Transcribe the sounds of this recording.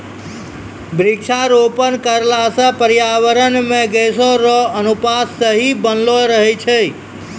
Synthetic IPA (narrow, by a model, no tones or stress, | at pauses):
bɾikʃʰaɾopənkəɾlasə̃pəɾjaʋəɾənmẽɡesoɾɔənupasːəɦibənloɾəɦet͡ʃʰei